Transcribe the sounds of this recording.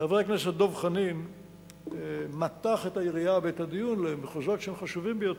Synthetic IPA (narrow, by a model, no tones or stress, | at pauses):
aveakneset̚d̪ovχanim | at̪aχet̪aiʁiabeetad̪ijunlemeχoʒo̞tʃehemχaʃuvimbejot